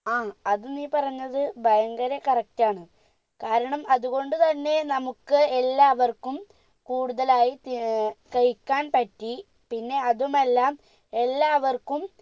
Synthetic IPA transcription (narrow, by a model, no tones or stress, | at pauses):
aːɐðuniːpɐrɐɲːɐðɨbʱɐjɐŋɡɐɾɐkɐrɐk̚tːaːɳɨ | kaːɾɐɳɐmɐðuɣo̞ɳɖut̪ɐnːe̞nɐmukːɨelːaːʋɐrkum | kuːɽuðɐlaːjit̪kɐjkːaːnpɐtːi | pinːe̞ɐðume̞lːaːm | e̞lːaːʋɐrkum